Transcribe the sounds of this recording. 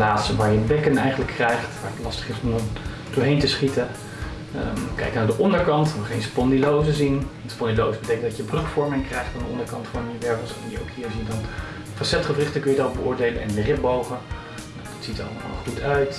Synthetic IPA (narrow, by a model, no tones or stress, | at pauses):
laːtsəʋaːɹjəbɛkənɛjχənləkʰːrɛjχtʋaːɹətlɑstə̥χɪsɔmə | dʊːɹɦejntəsχitə | kɛ̰jknaːɹdəʔɔndəɹkɑntʋəχejnspɔndilowzəzin | spɔndilowsəbəteɪjkəndɑcjəbrøkfɔɹmɪŋkrɛjχtfandəɔndəɹkɑntfɔnəʋɛɹpəsdjəo̰wkɦiːɹziədɑn | fɑsɛtχəfrɪχtəkɵnjədabəʊːɹdejlənɛ̰nndərɪp̚bowχən | nawdɑtsitəɑ̰lma̰χutœɥt